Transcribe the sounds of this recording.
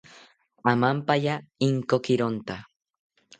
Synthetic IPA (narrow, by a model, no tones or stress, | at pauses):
amampajaiŋkokiɾont̪a